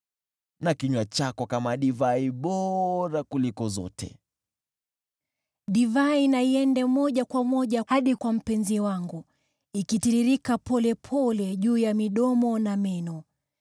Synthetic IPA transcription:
nakiɲwat͡ʃakɔkamaɗivaiɓɔɾakulikɔzɔ̰tɛ̰ | ɗivainaiɛndɛmɔʄakwamɔʄahaɗikwam̩pɛnziwaŋɡu | ikitiɾiɾikapɔlɛpʰɔlɛʄuːjamiɗɔmɔnamɛnɔ

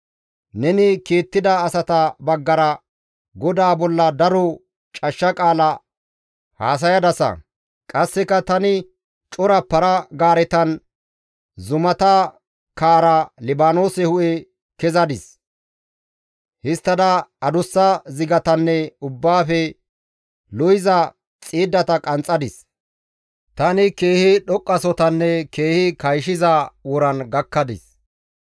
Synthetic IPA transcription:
nɛnɪkeːt̪ːɪd̪ɐːsɐt̪ɐbɐɡːɐɾɐ | ɡɔd̪aːbɔlːɐd̪ɐɾɔ | t͡ʃʼɐʃːɐkʼaːlɐ | ha̰ːs̬ɐjɐd̪ɐsɐ̰ | kʼɐsːɛkːɐt̪ɐnɪ | t͡ʃʼʊɾɐpːɐɾɐɡaːɾɛt̪ɐn | zʊmɐt̪ɐ | kaːɾɐlɪbaːno̞ːsɛhʊʔɛ | kɛzɐd̪ɪs | hɪst̪ːɐd̪ɐɐd̪ʊsːɐzɪɡɐt̪ɐnːɛʊbːaːfɛ | lɔjɪzɐ | t͡sʼiːd̪ːɐt̪ɐkʼɐnt͡sʼɐd̪ɪs | t̪ɐnɪke̞ːhɪɗɔkʼːɐsɔt̪ɐnːɛkeːhɪkɐjʃɪzɐwɔɾɐnɡɐkːɐd̪ɪs

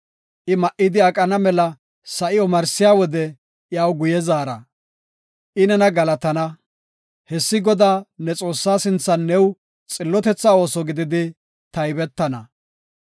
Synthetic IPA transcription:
ʔɪmɐʔɪd̪ɪɐkʼɐnɐmɛlɐ | sɐʔɪɔmɐɾsɪjaːwɔd̪ɛ | jaːwɡʊjɛzaːɾɐ | ʔɪnɛnɐɡɐlɐt̪ɐnɐ | hɛsːɪɡɔd̪aːnɛt͡sʼo̞ːsːaːsɪnt͡sːɐnːɛw | t͡sʼɪlːɔt̪ɛt͡sːɐo̞ːsɔɡɪd̪ɪd̪ɪ | t̪ɐjbɛt̪ːɐnɐ

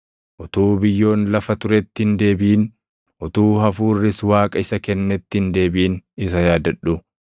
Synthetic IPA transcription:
ʔʊt̪uːbɪjːo̞ːnlɐfɐt̪ʊɾɛt̪ːɪɪnd̪e̞ːbiːn | ʔʊt̪uːɦɐfuːrːɪswaːkʼɐɪsɐkɛnːɛt̪ːɪɪnd̪e̞ːbiːnɪsɐjaːd̪ɐᶑʊ

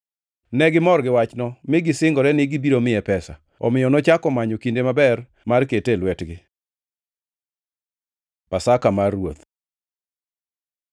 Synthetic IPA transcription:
nɛɡɪmɔɾɡɪwat͡ʃnɔmɪɡɪsɪŋɡɔɾɛnɪɡɪbiɾomɪɛpɛsa̰ | ɔ̰mɪjɔnɔt͡ʃakɔmaɲɔkindemabɛr | marketelwɛtɡɪ | pasakamarwot̪

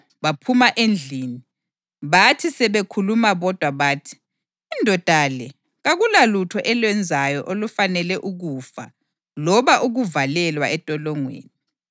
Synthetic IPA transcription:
βapʰumaʔend͡ɮʱiːni | βatʰisɛβekʰulumaβɔd̥ʱwaβaːtʰi̥ː | ndʱɔd̥ʱalɛ | ɣaɣulalutʰɔʔɛlwɛnd͡zʱajɔʔolufanɛlɛʔuɣufa̰ | lɔβaʔuɣuvalɛlwaɛtʼɔlɔŋwḛːni

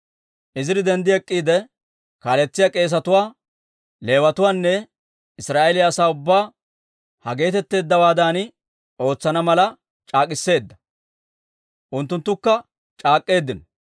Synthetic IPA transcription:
ʔɪzɪɾɪd̪ɛnd̪ɪɛkʼːiːd̪ɛ | kaːlɛt͡sːɪjakʼe̞ːs̬ɐt̪ʊwaː | le̞ːwɐt̪ʊwaːnːɛ | ɪsɾaːʔɛlɪjːsaːʊbːaː | hɐɡe̞ːt̪ɛt̪ːe̞ːd̪ːɐwaːd̪aːn | o̞ːt͡sːɐnɐmɐlɐ | t͡ʃʼaːkʼɪsːe̞ːd̪ːɐ | ʔʊnt̪ːʊnt̪ːʊkːɐ | t͡ʃʼaːkʼːe̞ːd̪ːɪnɔ

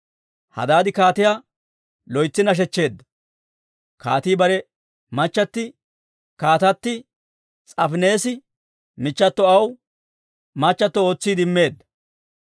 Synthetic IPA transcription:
hɐ̰d̪aːd̪ɪkaːt̪ɪjaː | lɔjt͡sːɪnɐʃ̬ɛt͡ʃːe̞ːd̪ːɐ̥ | kaːt̪iːbɐɾɛ | mɐt͡ʃːɐt̪ːɪ | kaːt̪ɐt̪ːɪ | t͡sʼɐfne̞ːsɪ | mɪt͡ʃːɐt̪ːɔɐw | mɐt͡ʃːɐt̪ːɔo̞ːt͡sːiːd̪ɪmːe̞ːd̪ːɐ̥

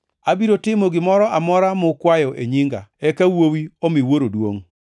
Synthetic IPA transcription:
abiɾotɪmoɡɪmɔɾɔʔamɔɾamʊkwajɔʔḛɲɪŋɡa̰ɛkawowiomɪwoɾodwo̰ŋ

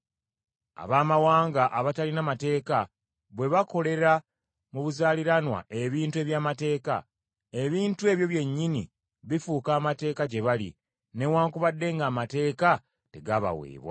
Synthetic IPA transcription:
a̰βaːmawaːŋɡaʔaβatalinamate̞ːka | βwe̞βako̞le̞ɾa | muβuzaːliɾanwa̰ʔe̞βiːntue̞βjaːmate̞ːka̰ | e̞βiːntue̞βjo̞βje̞ɲːinḭ | βifukaːmate̞ːkaɟe̞βalḭ | ne̞waːŋkuβadːe̞ːŋɡaːmate̞ːka | te̞ɡaβa̰wḛːβwa̰

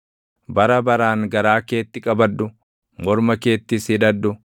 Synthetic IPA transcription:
bɐɾɐbɐɾaːŋɡɐɾaːke̞ːt̪ːɪkʼɐbɐd̪ːʊ | mɔɾmɐke̞ːt̪ːɪsɪᶑɐd̪ːʊ

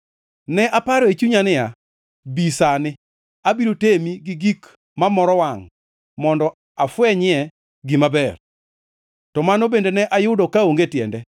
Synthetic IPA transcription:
nɛʔapaɾɔet͡ʃuɲanɪja | bisanɪ | abiɾotemiɡɪɡik | mamɔɾɔwaŋ | mɔndɔ | afwɛɲɪɛ | ɡɪmabɛr | tɔmanobendenɛʔajʊdokaoŋɡetjɛ̰ndɛ

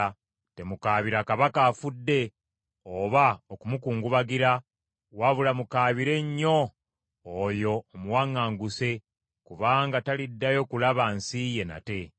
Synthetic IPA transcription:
te̞mukaːβiɾakaβakaːfudːe̞ | oβaokumukuːŋɡuβaɡiɾa | waβulamukaːβiɾe̞ɲːo̞ | ojo̞ːmuwaŋːaːŋɡuse̞ | kuβaːŋɡatalidːajo̞kulaβansije̞na̰te̞

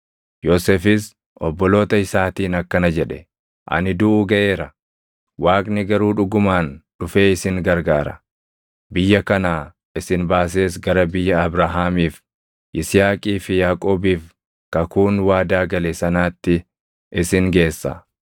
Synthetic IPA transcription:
joːseːfɪs | ʔɔbːɔlo̞ːt̪ɐɪsaːt̪iːnɐkːɐnɐd͡ʒɛᶑɛ | ʔɐ̰nɪd̪ʊʔuːɡɐʔeːɾɐ | waːkʼnɪɡɐɾuːᶑʊɡʊmaːnᶑʊfe̞ːɪsɪŋɡɐɾɡaːɾɐ | bɪjːɐkɐnaː | ɪsɪnbaːs̬e̞ːsɡɐɾɐbɪjːɐːbɾaɦaːmiːf | ʔɪsɪjaːkʼiːfɪjaːkʼo̞ːbiːf | kɐkuːnwaːd̪aːɡɐlesɐnaːt̪ːɪ | ʔɪsɪŋɡe̞ːsːɐ̰

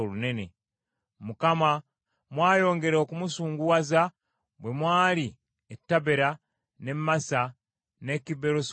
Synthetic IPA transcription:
olune̞ne̞ | mukama | mwaːjo̞ːŋɡe̞ɾokumusuːŋɡuwaza | bwe̞mwaːli | etːaβeɾa | ne̞mmːasa | ne̞kiβeɾos

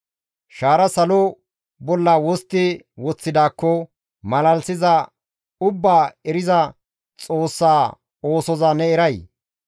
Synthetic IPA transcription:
ʃaːɾɐsɐlɔ | bɔlːaːwɔst̪ːɪ | wɔt͡sːɪd̪aːkːɔ | mɐlɐlsɪzɐ | ʊbːaːɛɾɪzɐ | t͡sʼo̞ːsːaː | oːsɔzɐnɛɛɾɐj

